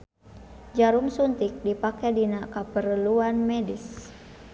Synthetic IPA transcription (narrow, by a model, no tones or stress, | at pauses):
d͡ʒaɾumsunt̪ik̚dipakɛdinakapəɾəluanmɛdis